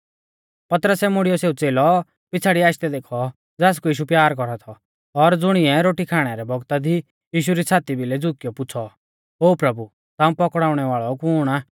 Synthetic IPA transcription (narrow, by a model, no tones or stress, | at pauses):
pɐt̪ɾəsɛmʊɽijɔseːut͡seːlɔ | pɪt͡sʰaːɽiaːʃt̪ɛd̪eːkʰɔ | d͡zaːs̬kujiːʃ̬upjaːɾkɔɾat̪ʰɔ | ɔɾd͡zʊɽ̃ɪɛɾoːʈikʰaːɽ̃aɾɛbɔɡt̪ad̪ʱi | jiːʃ̬uɾisʰaːt̪ibɪlɛd͡zʊkɪjɔpʊt͡sʰɔ | ɦoːpɾɐbu | t̪aːũpɔkɽaːʊɽ̃ɛʋaːɭɔkuːɽ̃aː